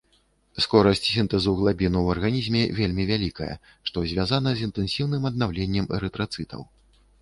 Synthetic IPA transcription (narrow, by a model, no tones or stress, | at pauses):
skɔɾɐsʲt͡sʲsʲint̪ɛzuɣlˠabʲinuwɐrɣanʲizʲmʲɛvʲelʲmʲivʲalʲikɐjɐ̰ | ʂt̪ɔzʲvʲazanɐzʲint̪ɛnsʲiwnɨmɐd̪̚nawlʲenʲːɛmɛɾɛt̪ɾat̪sɨt̪ʰɐ̰w